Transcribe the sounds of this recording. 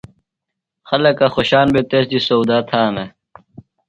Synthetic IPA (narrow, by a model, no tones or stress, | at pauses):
xɐlɐkaxoɕaːnbet̪esd̪isowd̪aːt̪ʰaːme